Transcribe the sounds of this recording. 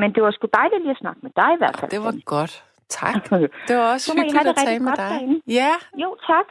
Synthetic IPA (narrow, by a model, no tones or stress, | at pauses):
mend̥e̝ʋɑsɡ̥ud̥ɑ̈ɪliliːæsnɑ̈ɡ̥̚med̥ɑ̈ɪiʋæɐ̰d̥fæ̰ldeɡ̥ɔd̥ | t͡sʰɑɡ̥d̥essɔmiɦæd̥eʁɛɡd̥ɡ̥ɒ̽d̥æɐenəjæjo̝ːt͡sʰɑ̈ɡ̥